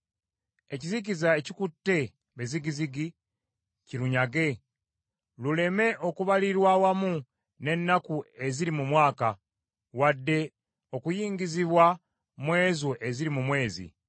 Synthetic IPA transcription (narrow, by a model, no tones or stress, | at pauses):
e̞cizicizae̞cikutːe̞ | βeziɡiziɡi | ciɾuɲaɡe̞ | lule̞me̞ʔo̞kuβaliɾwawamu | ne̞nːakue̞ziɾimumwaːka | wadːe̞ | o̞kujiːŋɡiziβwa | mwe̞ːzuʔe̞ziɾimumwe̞ːzḭ